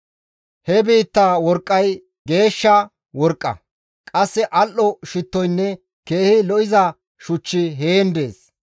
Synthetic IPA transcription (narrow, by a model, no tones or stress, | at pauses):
hɛbiːt̪ːawɔɾkʼːɐj | ɡe̞ːʃːɐ | wɔɾkʼːɐ̰ | kʼɐsːɛʔɐlʔɔʃɪt̪ːɔjnːɛ | ke̞ːhɪlɔʔɪzɐ | ʃʊt͡ʃːɪɦe̞ːnd̪eːs